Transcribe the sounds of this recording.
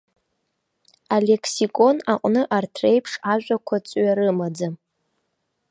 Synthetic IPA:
ale̞kʰsikʼo̞naqʼnɨʔartʰrejpʰʂaʒʷᶣakʷʰat͡sʼɥaɾɨmad͡za

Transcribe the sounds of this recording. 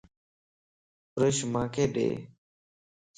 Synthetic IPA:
pɾəʃmãːkʰeːɗḛː

